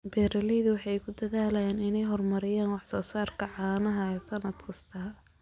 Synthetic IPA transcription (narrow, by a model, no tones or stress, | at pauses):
b̥ɛːɾɐlɛðʊwɑħɑjkʰʊd̪ɐðaːlɐjɛːnɪnɛjɦɔrmɐɾɪjaːnwɑħsɔːsaːrkʰɐʕɑːnɐɦɐɛːsɐnɐd̪kʰɐst̪ʰɐː